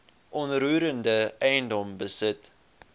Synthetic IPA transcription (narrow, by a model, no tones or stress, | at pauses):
ʔɔnɾuːɾəndəɛjəndɔmbəsət